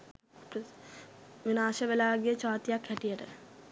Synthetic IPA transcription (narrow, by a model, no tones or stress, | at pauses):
ʋinaːʃɐʋelaːɡijət͡ʃaːt̪ijakhɛʈijəʈə̰